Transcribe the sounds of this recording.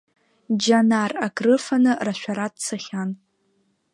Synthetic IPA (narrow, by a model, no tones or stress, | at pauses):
d͡ʒanarakrɨfanɨraʃʷᶣaɾadt͡sʰaχʲan